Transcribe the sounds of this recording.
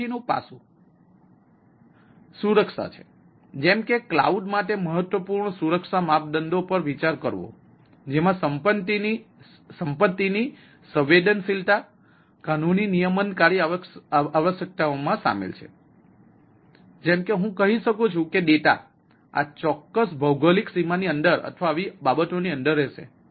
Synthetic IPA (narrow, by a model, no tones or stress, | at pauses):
inũpa̰sũ | suɾəkʃa̰t͡ʃʰe̥ | d͡ʒɛmkekla̰uɖmaʈ̪eməɦət̪ʋəpuɾɳsuɾəkʃamap̚d̪ənd̪opəɾʋit͡ʃaɾkəɾʋo̰ | d͡ʒemãsəmpət̪ii | səmpət̪ːini | səʋed̪ənsilt̪a | kanuninijəmənkaɾiaaʋəʃjək̚t̪aomãsa̰mḛlt͡ʃʰḛ | d͡ʒɛmkeɦũkəɦiʃəkũt͡ʃʰũkeɗ̪et̪a̰ | a̰t͡ʃɔkːəsbʱəwɡəliksimaniənd̪əɾə̰t̪ʰʋaːʋibabət̪oniənd̪əɾːɛʃḛ